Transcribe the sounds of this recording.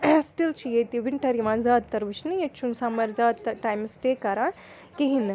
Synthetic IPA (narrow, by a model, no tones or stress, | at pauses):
sʈilt͡ʃʰijet̪iʋiɳʈɐɾjimãzaːd̪̚t̪ɐɾbɨt͡ʃʰnɨjet͡ʃʰunsamɐɾzaːd̪̚t̪ɐʈaːjmsʈekɐɾã | kiɦin